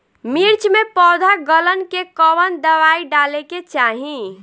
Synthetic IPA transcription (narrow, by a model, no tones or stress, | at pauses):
miɾt͡ʃmepɔd̪ʱaɡələnkekəbənd̪əʋaiɖaleket͡ʃaɦi